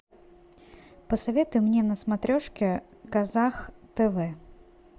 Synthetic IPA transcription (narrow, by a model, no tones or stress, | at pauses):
pəsɐvʲe̞t̪ʊjʊmnʲenəsmɐt̪ɾʲoʂkʲɪ | kɐzaxt̪ɛvɛ